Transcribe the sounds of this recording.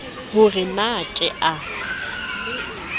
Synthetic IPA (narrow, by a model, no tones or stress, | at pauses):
hʊrɪnakʼɛʔa